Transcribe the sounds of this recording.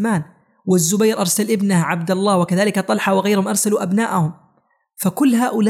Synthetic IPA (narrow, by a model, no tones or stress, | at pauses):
maːn | wɪzːʊbajɾʔɑɾˤsalʔɪbnahʕabd̪alˤːɑːwɪkaðaːlɪkat̪ˤɑlħawɪɣajɾhʊmʔɑɾˤsaluːʔabna̰ːʔahʊm | fakʊlːɦaːʔʊla